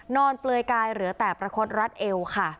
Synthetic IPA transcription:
nɔː˧nplɤː˧jkaː˧jɾɯ˨˩˦ət̪ɛː˨˩pɾa˧kʰo˦˥t̪̚ɾa˦˥t̪̚ʔe˧wkʰa˥˩

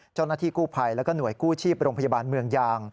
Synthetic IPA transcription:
t͡ɕa˥˩wnaː˥t̪ʰiː˥˩kuː˥˩pʰa˧jlɛ˦˥kɔː˥˩nu˨˩˦əjkuː˥˩t͡ɕʰiː˥˩p̚ɾoː˧mpʰa˧ja˧baː˧nmɯ˧əŋjaː˧ŋ

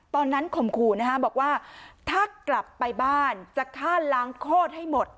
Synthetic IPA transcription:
t̪ɔː˧nːa˦˥nkʰo˨˩mkʰuː˧na˦˥kʰa˦˥bɔː˨˩k̚waː˥˩t̪ʰaː˥˩kla˨˩pːa˧jbaː˥˩nt͡ɕa˨˩k̪ʰːaː˥˩laː˨˦˥ŋkʰoː˥˩t̪̚ha˥˩jmo˨˩t̪̚

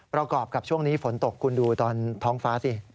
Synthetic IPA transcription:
pɾa˧kɔː˨˩p̚ka˨˩p̚t͡ɕʰu˥˩əŋniː˦˥fo˩˦nt̪o˨˩kʰːu˧nduː˧t̪ɔː˧nt̪ʰɔː˦˥ŋfaː˦˥si˧˩

